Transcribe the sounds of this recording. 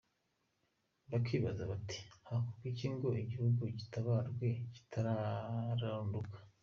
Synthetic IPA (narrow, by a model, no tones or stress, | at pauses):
bakwiːβazaβati̥hakukiciːŋɡo̞ʔiɟihuɡuɟitaβaːɾɡwe̞ɟi̥tʰaɾaɾaɾuːndukḁ